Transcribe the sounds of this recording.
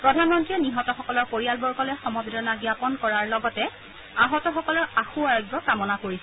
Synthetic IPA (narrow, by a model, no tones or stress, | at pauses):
pɹɔdʱanmɔntɹiɔniɦɔtɔxɔkɔlɔɹpoɹijalbɔɹkɔlɛxɔmɔbedɔnaɡjapɔnkɔɹaɹlɔɡɔtɛ | aɦɔtɔxɔkɔlɔɹaxuaɹɔɡjɔkamɔnakoɹisɛ